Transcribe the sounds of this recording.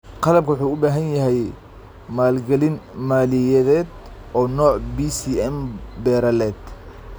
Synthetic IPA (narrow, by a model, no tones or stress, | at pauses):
qɑlɐb̚kʰwʊħuːʊbaːɦɐnjɐɦɛj | maːlɡɐlɪnmaːlɪjɛðɛːd̪ | ʔɔːnɔːʕbisiʔɛmbɛːɾɐlɛːd̪